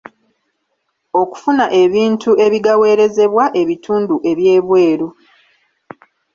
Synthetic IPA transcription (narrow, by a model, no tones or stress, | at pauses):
o̞ku̥funaʔe̞βiːntʰuʔe̞βiɡawe̞ːɾe̞ze̞βwaʔe̞βitʰuːnduʔe̞βje̞ːβwe̞ːɾo